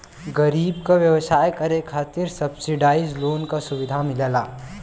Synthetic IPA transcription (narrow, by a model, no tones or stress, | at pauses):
ɡɐɾiːbkaʋjɐwəsaːjkɐɾekʰaːt̪ɪɾsɐbsɪɖaːɪzloːnkasʊʋɪd̪ʱamɪleːlaː